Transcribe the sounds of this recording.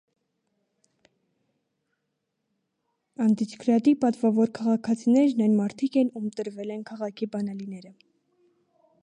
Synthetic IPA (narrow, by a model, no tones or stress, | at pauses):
ɑnd̪it͡ʃʰkʰɾɑd̪ipɑt̪vɑvɔɾkʰɑʁɑkʰɑt͡sʰinɛɾnɑjnmɑɾt̪ʰikɛnumt̪əɾvɛlɛnkʰɑʁɑkʰibɑnɑlin̪ɛɾə